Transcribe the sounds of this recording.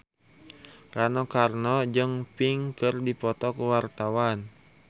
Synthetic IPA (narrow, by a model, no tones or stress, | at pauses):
ranɔkarnɔd͡ʒəŋpiŋkɨrdipɔt̪ɔkəwart̪awan